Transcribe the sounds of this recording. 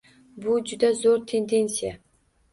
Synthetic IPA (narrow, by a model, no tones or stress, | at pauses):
bʊd͡ʒʊd̪azoɾt̪ʰe̞nd̪e̞nsija